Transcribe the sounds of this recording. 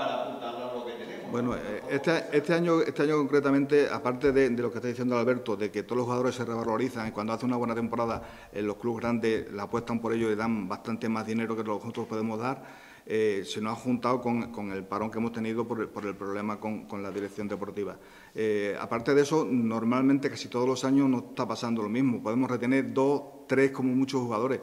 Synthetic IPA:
ao | bwe̞noet̪eest̪eaɲoe̞st̪e̞aɲoko̞ŋkɾet̪amẽnt̪e̞a̰paɾt̪e̞ðe̞d̪e̞lo̞kest̪aðiθjend̪olalβe̞ɾt̪oðe̞ket̪olohxuɣaðo̞ɾe̞se̞re̞β̞alo̞ɾiθaŋikwand̪oaθeunaβwe̞nat̪e̞mpo̞ɾaða | ḛlo̞hkluɣɾand̪e̞slaːpwe̞st̪ampo̞ɾe̞ʎoiðambast̪ant̪e̞mazðine̞ɾokeloxut̪ɾohpo̞ðe̞mo̞zðaɾ | esenoaxunt̪awko̞ŋko̞ŋe̞lpaɾõ̞ŋkeemo̞st̪e̞niðopoɾpo̞ɾe̞lpɾo̞βle̞mako̞ŋko̞nlaðiɾe̞kθjo̞nd̪e̞po̞ɾt̪iβ̞a | ea̰paɾt̪e̞ðe̞so̞no̞ɾmalmẽnt̪e̞kasit̪o̞ð̞o̞losaɲo̞not̪apasand̪olo̞miɦmopo̞ðe̞mo̞re̞t̪e̞ne̞ɾd̪o̞ | t̪ɾe̞hko̞momut͡ʃohuɣað̞o̞ɾe̞

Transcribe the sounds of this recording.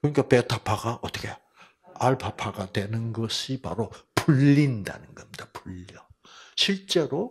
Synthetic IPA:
kɯɲikʰapetʰapʰaɡaʔʌt͈ʌkʰe | aɭpʰapʰaɡadwe̞nɯnɡʌɕʰipa̰ɾopuʎːinda̰nɯnɡʌmidapuʎʌ | ɕʰiɭt͡ɕ͈e̞ɾo

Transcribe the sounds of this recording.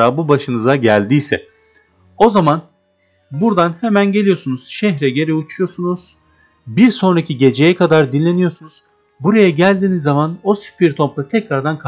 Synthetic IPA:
aːbubaʃɯnɯzaɟælʲd̪ijsɛ̰ | o̞zaman | buɾd̪anhe̞mænɟe̞lʲijo̞sunuz̥ʃɛçɾɛɟe̞ɾɛut͡ʃʰujo̞ɾsunuz̥ | biɾso̞nɾacʰiɟe̞d͡ʒe̞jɛkʰad̪aɾd̪inlʲe̞nijo̞ɾsunuz̥ | buɾajaɟælʲd̪iːnizːamano̞si̥pʰiɾt̪ʰo̞mplˠat̪ʰɛcɾaɾd̪ankʰ

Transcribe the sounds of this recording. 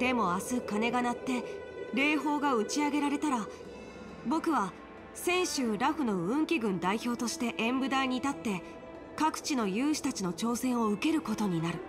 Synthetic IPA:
d̪̥e̞mo̞asɨkane̞ɡanat̪ːe̞ɾe̞ːɦo̞ːɡaɯ̟t͡ɕiaɡe̞ɾaɾe̞t̪aɾa | bo̞kɯ̟βa | sẽ̞ɰ̃ɕɨːɾaɸɯ̟no̞ɯ̟̃ŋkʲiɡɯ̟̃nd̪aiço̞ːt̪o̞ɕi̥t̪e̞ʔẽ̞mbɯ̟d̪aiɲ̟it̪at̪ːe̞ | kakɯ̟̥t͡ɕino̞jɯ̟ːɕi̥t̪at͡ɕino̞t͡ɕo̞ːsẽ̞ɰ̃o̞ɯ̟ke̞ɾɯ̟ko̞t̪o̞ɲ̟inaɾɯ̟

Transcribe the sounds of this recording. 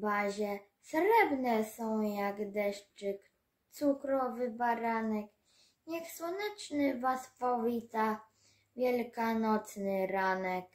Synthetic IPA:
baʑɛ | sɾɛbnɛsɔ̃w̃jaɡd̪ɛʂt͡ʂɘk | t̪sukɾɔvɘbaɾanɛk | jaxswɔnɛt͡ʂnɘvasfɔvʲit̪a | vʲjɛlkanɔt̪snɘɾanɛk

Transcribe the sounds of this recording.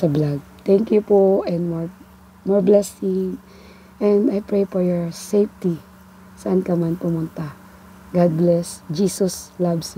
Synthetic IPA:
sɐblaɡ̚t̪ɛ̃ŋkjupoʔɛ̃nd̪mɔɹ | mɔɹblɛsɪŋ | ʔɛ̃nd̪ajpɹejpɔɹjɔɹsejft̪i | sɐʔankɐmanpʊmʊnt̪a | ɡad̪̚blɛsd͡ʒiːsɔslabs

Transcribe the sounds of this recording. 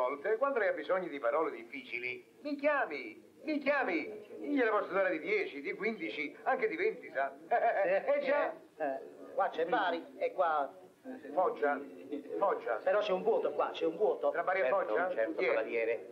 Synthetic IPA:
ɔlt̪ekwand̪oajabːizɔɲːʊd̪ipaɾɔːled̪ifːiːt͡ʃili | mikjaːmi | mikjaːmiiɲːelapɔst̪ud̪aːɾad̪id̪jɛːt͡ʃid̪ikwind̪it͡ʃiaŋked̪ivint̪isa | ɛd͡ʒːa | ɛkwat͡ʃːɛbaːɾiɛkːwa | fɔd͡ʒːafɔd͡ʒːa̰peɾɔt͡ʃːɛuɱvwɔːt̪okwa̰t͡ʃːɛuɱvwɔːt̪ot̪ɾavaːɾiafːɔt͡ʃːat͡ʃɛt̪ɛaaɾjɛːɾe

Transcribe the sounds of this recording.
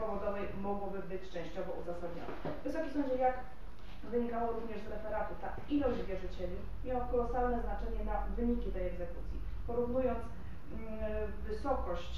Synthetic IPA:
pɔvɔd̪ɔvɛjmɔɡwɔbɘbɘt͡ɕt͡ʂɛ̃ɕt͡ɕɔvɔuzasad̪ɲɔ̰nɛ̰vvɘsɔkʲimsɔ̃ɲd͡ʑɛjak | vɘɲikawɔɾuvɲɛʐzɾɛfɛɾat̪ut̪a | ilɔʑd͡ʑvʲjɛʐɘt͡ɕɛlʲi | mʲjawakɔlɔsalnɛznat͡ʂɛɲɛnavɘɲikʲit̪ɛjɛɡzɛkut̪sʲjḭ | pɔɾuvnujɔnt̪s | vɘsɔkɔɕt͡ɕ

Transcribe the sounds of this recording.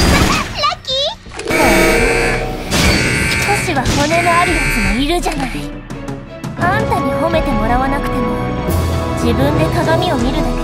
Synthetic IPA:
aɾakʲi | ko | t̪ʰo̞ɕiβ̞aho̞ne̞noaɾʲijasɨmoiɾɯ̟ʑanai | ãnt̪aɲ̟iho̞me̞t̪e̞mo̞ɾaβanakɯ̥t̪e̞mo | d͡ʑibɯ̟̃nd̪e̞kaɡamʲio̞mʲiɾɯ̟no

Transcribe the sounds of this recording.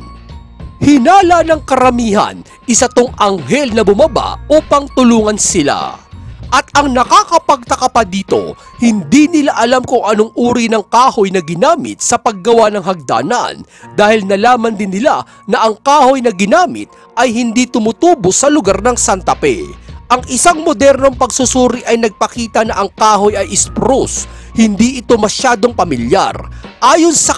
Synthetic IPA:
hɪnaːlɐnɐŋkɐɾɐmiːhɐ̰n | ʔɪsɐt̪oŋʔɐŋɦɛlnɐbʊmɐba̰ʔuːpɐŋt̪ʊluːŋɐnsɪla̰ʔɐt̪̚ɐŋnɐkakɐpɐɡ̚t̪ɐkɐpɐd̪iːt̪o̞̰ | hɪnd̪inɪlaʔɐlamkʊŋʔɐnoŋʔuːɾinɐŋkaːhojnɐɡɪnaːmɪ̰t̪̚sɐpɐɡ̚ːɐwanɐŋɦɐɡ̚d̪a̰ːnɐ̰n | d̪aːhɪlnɐlaːmɐnd̪ɪnːɪla | nɐʔɐŋkaːho̞jnɐɡɪnaːmɪ̰t̪̚ | ʔɐjhɪnd̪it̪ʊmʊt̪uːbosɐlʊɡaɾnɐŋsant̪ɐpɛ̰ʔɐŋʔɪsaŋmod̪ɛɾno̞ŋpɐɡsʊsuːɾiʔɐjnɐɡ̚pɐkiːt̪ɐnɐʔɐŋkaːɦo̞jɐjʔɪspɾus | hɪnd̪iʔɪt̪o̞mɐʃaːd̪oŋpɐmɪlja̰rʔaːjo̞nsɐ

